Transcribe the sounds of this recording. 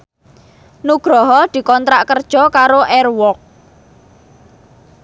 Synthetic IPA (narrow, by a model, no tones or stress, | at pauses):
nuɡ̥ɾɔɦɔd̪̥i̤kɔnt̪ɾaʔkərd̥ʒ̥ɔ̤kaɾoʔɛrwɔk̚